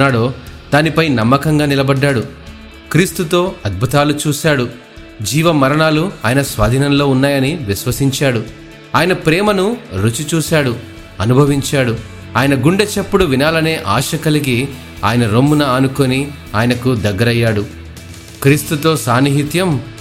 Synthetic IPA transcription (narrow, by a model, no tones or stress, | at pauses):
aːɽoːd̪̥aːnipɐjnɐmːɐkɐŋɡaːnilɐbɐɖːaːɽu | kɾiːst̪ut̪o̞ːɐd̪̚bʱut̪aːlut͡ʃuːsaːɽu | d͡ʒiːʋɐmɐɾɐɳaːluaːjɐnɐsʋaːd̪ʱiːnɐnlo̞ːunːaːjɐniʋiʃʋɐsiɲt͡ʃaːɽu | aːjɐnɐpɾɛːmɐnuɾut͡ʃut͡ʃuːsaːɽu | ɐnubʱɐʋiɲt͡ʃaːɽu | aːjɐnɐɡuɳɖet͡ʃɐpːuɽuʋinaːlɐne̞ːʔaːʃɐkɐlik̬i | a̰ːjɐnɐɾomːunɐaːnukoni | aːjɐnɐkud̪ɐɡːɐɾɐjːaːɽu | kɾiːst̪ut̪o̞ːsaːniɦit̪jɐm